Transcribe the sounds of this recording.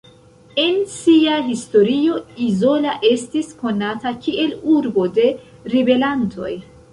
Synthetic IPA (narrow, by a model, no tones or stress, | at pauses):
e̞nsiaɦisto̞ɾio̞izo̞laʔe̞stisko̞natakiʔe̞luɾbo̞de̞ | ɾibe̞lantʰo̞̰j